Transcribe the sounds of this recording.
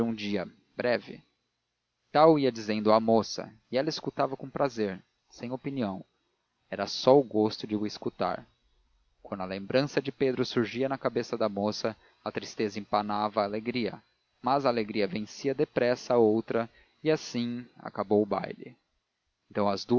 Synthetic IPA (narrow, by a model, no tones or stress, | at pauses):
ũd͡ʒiɐ | bɾɛvɪ̰ | t̪awiɐd͡ʒizẽnd̪ʊamosɐ̰ | ɪɛlɐɪskut̪avɐkõpɾazeɾ | sẽj̃opiniɐ̃w̃ | ɛɾɐsɔʊɡost̪ʊd͡ʒɪʊɪskut̪a̰ɾ | kwɐ̃nd̪ʊɐlẽmbɾɐ̃sɐd͡ʒɪped̪ɾʊsuɾʒiɐnɐkabesɐd̪ɐmosɐ | ɐt̪ɾist̪ezɐĩmpanavɐːleɡɾiɐ̰ | mɐzaːleɡɾiɐvẽsiɐd̪epɾɛsɐaowt̪ɾɐ | ɪasĩa̰kabowʊba̰jlɪ̰ | ẽnt̪ɐ̃w̃ɐzd̪u